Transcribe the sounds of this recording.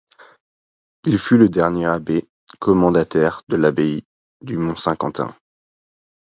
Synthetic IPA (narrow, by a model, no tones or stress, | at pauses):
ilfyləd̪ɛʁnjeabe | kʰɔmɑ̃d̪at̪ɛʁd̪əlabei | d̪ymɔ̃sɛ̃kɑ̰̃t̪ɛ̰̃